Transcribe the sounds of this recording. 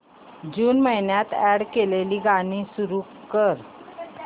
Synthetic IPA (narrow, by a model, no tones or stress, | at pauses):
d͡ʑuːnməɦjnjat̪ɛɽkeleliːɡañisuɾukəɾ